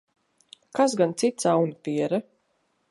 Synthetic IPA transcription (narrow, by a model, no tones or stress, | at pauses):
kaz̬ɡant̪sit̪sawnupiɛɾa